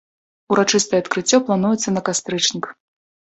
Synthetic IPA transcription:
uɾat͡ʂɨst̪ɐjɛɐt̪kɾɨt͡sʲːɔplˠan̪ujɛt̪sːɐnɐkast̪ɾɨt͡ʂnʲik

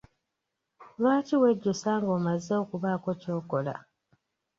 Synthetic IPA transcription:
lwaːtiweɟːosaːŋɡoːmazeokuβaːko̞co̞ːko̞la̰

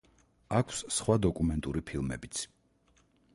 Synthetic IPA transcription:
akʰssχwad̪ɔkʼumɛnt̪ʼuɾipʰilˠmɛ̰bit̪sʰ

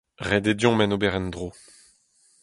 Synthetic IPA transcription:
ʁed̪edjɔ̃mɛnobɛʁɛnd̪ʁo

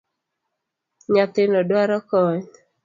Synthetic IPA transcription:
ɲat̪ɪnɔdwaɾɔkɔɲ

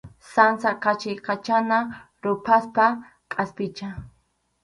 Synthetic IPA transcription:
sansakat͡ʃɪjqat͡ʃana | ɾʊpʰaspa | kʼaspɪt͡ʃa

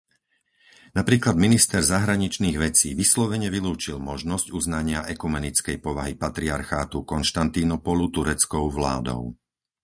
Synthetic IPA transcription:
napɾiːklad̪minist̪ɛɾzaɦɾaɲit͡ʃniːɣʋɛt͡siːʋislɔʋɛɲɛʋiluːt͡ʃilmɔʒnɔzcuznaɲɪaʔɛkumɛnit͡skɛjpɔʋaɦipat̪ɾiaɾxaːt̪ukɔnʃt̪ant̪inɔpɔlut̪uɾɛt͡skɔʊʋla̰ːd̪ɔ̰ʊ

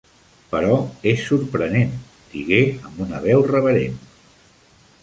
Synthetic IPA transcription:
pəɾɔesːuɾpɾənen | d̪̥iɣeəmbunəβ̞ɛwrəβəɾen

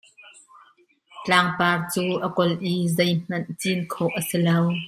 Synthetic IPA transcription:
t͡ɬaːŋpaːrt͡suːʔɐkɔlʔizejm̥ɐnt͡sinkʰɔwʔəsilɐw

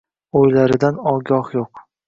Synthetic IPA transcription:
ojlaɾɪd̪anɒɡʲɒhjoq

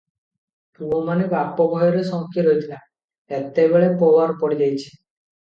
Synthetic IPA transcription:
pubɔmanikapːɔbʱɔjɔɾesɔ̃ŋkʰːiɾɔjt̪ʰila | et̪ebeɭepɔwaɾpɔɽid͡ʒajt͡ʃʰi̥

